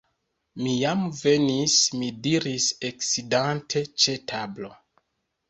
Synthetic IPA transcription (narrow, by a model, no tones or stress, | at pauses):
mijamve̞nismidiɾiseksidantʰe̞t͡ʃe̞tʰablo̞̰